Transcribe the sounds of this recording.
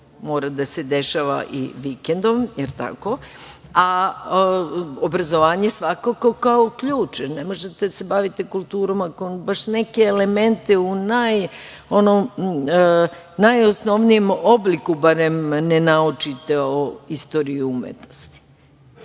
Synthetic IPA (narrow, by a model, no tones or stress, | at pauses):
mo̞ːɾad̪ase̞d̪eʃaʋa̰ʔḭʋikend̪omjeɾt̪a̰ko̞ | a | obɾazoʋaːɲe̞sʋakoko̞kaokʎuːt͡ʃenemo̞ʒet̪esebaʋit̪e̞kulˠt̪uːɾo̞makonbaʃne̞ke̞ːle̞me̞nt̪eunaj | o̞nom | najo̞sno̞ʋnijemoblikubaɾemnenaut͡ʃit̪eoist̪o̞ːɾiumḛt̪nost̪i̥